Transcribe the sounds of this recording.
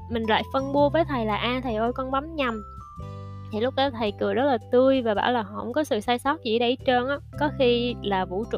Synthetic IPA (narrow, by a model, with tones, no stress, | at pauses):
mï˨˩ŋ̟la̰ː˧˨jfə˧nɓu˧əvəː˨˦jt̪ʰə˨˩jlaː˨˩ʔaː˧t̪ʰə˨˩jʔo˧jkɔ˧nɓa˨˦mɲa˨˩m | t̪ʰi˨˩lʊ˦˥k͡p̚ɗɔ˨˦t̪ʰə˨˩jkɨ˨˩əɗɔ˨˦˥t̚laː˨˩t̪ɨ˧əjvaː˨˩ɓa̰ː˧˩wlaː˨˩ɦɔ̰˧˨ŋ͡mkɔ˨˦sɨ̰˧˨saː˧jsɔ˦˥t̚zḭ˧˥ɗə˧˩˦jt͡ɕəː˧nʔaː˨˦kɔ˨˦xi˧laː˨˩vṵ˧˥t͡ɕʊ̰˧˨